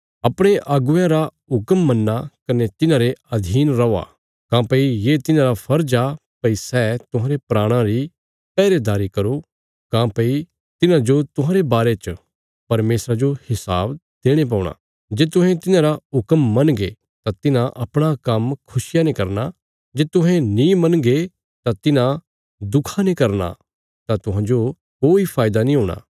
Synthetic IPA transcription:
ɐpɽ̃eʔaːɡʊjãɾaɦʊkəmːɐnːakɐnet̪ɪnãɾeɐd̪ʱiːnɾɐa̰ | kãːpɐijeːt̪ɪnãɾapʰɐɾd͡ʒapɐisɛt̪ʊɦãːɾepɾaːɽ̃ãɾi | pɛːɾed̪aːɾikɐɾo | kãːpɐi | t̪ɪnãd͡ʒot̪ʊɦãːɾebaːɾet͡ʃ | pɐɾmeːsɾad͡ʒohɪsaːbd̪̥eːɽ̃ep̬aːɽ̃a̰ː | d͡ʒeːt̪ʊ̃ɦɛ̃t̪ɪnãːɾaɦʊkəmːɐnɡe | t̪at̪ɪnãʔɐpɽ̃akɐmkʰʊsɪjanẽkɐɾna | d͡ʒeːt̪ʊɦɛ̃nĩmɐnɡe | t̪at̪ɪnã | d̪ʊkʰanẽkɐɾna̰ | t̪at̪ʊɦãːd͡ʒo | koːipʰaːɪd̪anĩɦoːɽ̃a̰ː

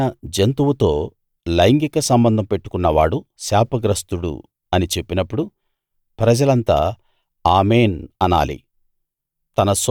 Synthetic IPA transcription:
ɐd͡ʒent̪uwut̪o̞ː | lɐjŋɡikɐsɐmbɐnd̪ʱɐmpe̞ʈːu̥kunːɐʋaːɽusaːpɐɡɾɐst̪uɽṵ | ɐnit͡ʃe̞pːinɐpːuɽu | pɾɐd͡ʒɐlɐnt̪a̰ː | aːmeːnɐna̰ːlḭ | t̪ɐnɐs

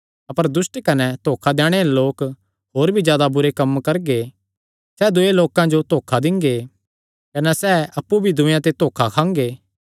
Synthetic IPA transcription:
ɐpəɾd̪ʊsʈkɐnɛt̪oːkʰad̪ɛ̃ːɽ̃eloːk | ɦoːɾbʱid͡ʒjaːd̪abʊɾekɐmkɐɾɡe | sɛːd̪ʊeloːkãd͡ʒot̪oːkʰad̪ɪ̃ŋɡe | kɐnɛsɛːɐpːubʱid̪ʊ̃jãt̪̬et̪oːkʰakʰãːŋɡeː

